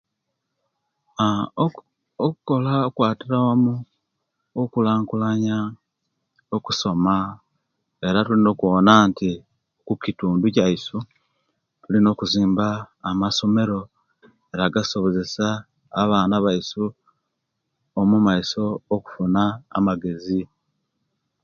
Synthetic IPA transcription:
a | oku̥ko̞laokwaːtiɾaomu | okulaːŋkulaɲa | oku̥so̞ma | e̞ɾatulino̞ːkuwonaːnti | kukituːnducaisu | tulino̞ːkuziːmbaːmaso̞me̞ɾo̞ | eɾaɡaso̞βo̞ze̞saː | βaːnaβaisu | omumaiso̞ːku̥funa̰ːmaɡe̞zi

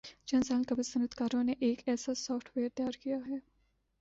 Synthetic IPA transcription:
d͡ʒɐ̃nsaːnkɐbəsɐnəd̪kaːɾõneʔeːkɛːsasɔːfʈʰʋeːɾt̪jaːɾkijaɦɛː

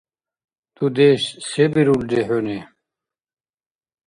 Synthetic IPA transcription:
t̪ud̪eːɕsebiɾuld̪eɦone

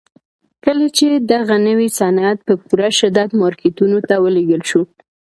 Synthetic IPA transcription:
kəlat͡ʃed̪aɣanəwisanat̪̚pəpuɾaʃɪd̪ad̪mɑɾket̪unot̪awəleɡəlʃu

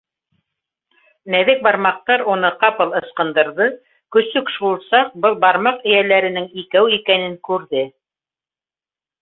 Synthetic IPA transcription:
næðɘk̚bɑɾmɑq̚t̪ɑɾunɤqɑpɤ̆lˠɤ̆sqɤ̆nd̪ɤ̆ɾðɤ | kɵ̆sɵkʃulˠsɑq̚bɤlˠbɑɾmɑqɘ̆jælæɾɘ̆nɘŋikæwikænɘŋkʉɾðɘ

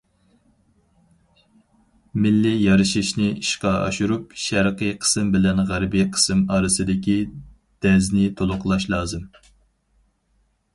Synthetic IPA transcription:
mɪlːijɑɾɨʃiʃnɪiʃqɑɑ̰ʃuɾupʃæɾqɨjqʰə̥sɨmbɪlɛnʁæɾbiqʰə̥sɨmɑːɾɨsɨd̪ɪkʲi | d̪̥ɛznɪt̪ʰolˠʊqlˠɑʃlˠɑːzɨm

